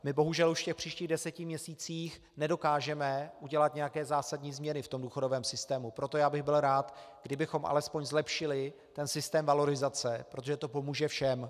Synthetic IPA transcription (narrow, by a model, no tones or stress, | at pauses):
mɪbo̞ɦuʒɛluʃfcɛxpr̥iːʃciːɣdɛsɛcɪmɲɛsiːt͡siːx | nɛdo̞kaːʒɛmɛʔuɟɛlat̪ɲɛjakɛːzaːsadɲiːzmɲɛnɪft̪o̞mduːxo̞dovɛːmsɪst̪ɛːmupɾo̞t̪o̞jaːbɪɣbɪlɾaːt̪ɡdɪbɪxo̞mʔa̰lɛspoɲzlɛpʃɪlɪ | t̪ɛnsɪst̪ɛːmvalo̞ɾɪzat͡sɛpɾo̞t̪oʒɛt̪o̞po̞muːʒɛfʃɛm